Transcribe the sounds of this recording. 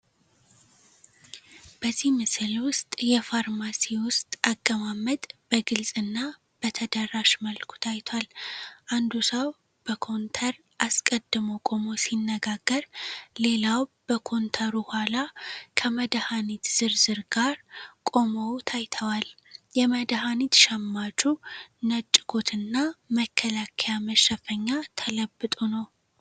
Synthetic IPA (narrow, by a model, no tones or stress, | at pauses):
b̥əzːihmɨsɨlwʊst̪ʼjɛfaɾmasiwʊst̪ʼakʼːəmamːəd̪ʼb̥əɡɨlsʼɨnːa | b̥ət̪ʰəd̪ərːaʃməlkʰu̥t̪ʰajt̪ʰwalʔand̪usəw | b̥əkʰo̞nt̪ʰəɾ | ʔaskʼəd̪ːɨməwkʼo̞mo̞sinːəɡaɡːəɾle̞lawb̥əkʰo̞nt̪ʰəɾuhalakʰəməd̪hanit̪z̥ɨɾzɨɾɡaɾkʼo̞mot̪ʰajt̪ʰəwal | jɛməd̪ɦanit̪ʃɛmːat͡ʃʼunət͡ʃʼːɪɡʰo̞t̪ʰɨnːaməkʰːəlakʰəjaməʃəfəɲːat̪ʰələbːɨt̪ʼunəw